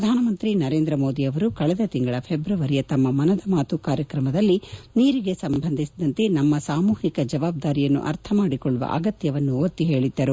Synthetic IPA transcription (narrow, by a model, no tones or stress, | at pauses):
ɾɐd̪ʱaːnɐmɐnt̪ɾinɐɾe̞ːnd̪ɾɐmo̞ːd̪iɐʋɐɾukɐɭɛd̪ɐt̪iŋɡɐɭɐpʰebɾuʋɐɾijɐt̪ɐmːɐmɐnɐd̪ɐmaːt̪ukaːɾjɐkɾɐmɐd̪ɐlːiniːɾiɡe̞sɐmbʱɐnd̪ʱisid̪ɐnt̪e̞nɐmːɐsaːmuːhikɐd͡ʒɐʋaːb̚d̪aːɾijɐnːṵʔɐ̰ɾt̪ʰɐmaːɽikɔɭːuʋɐ̰ʔɐ̰ɡɐt̪jɐʋɐnːuot̪ːiɦe̞ːɭid̪ːɐɾu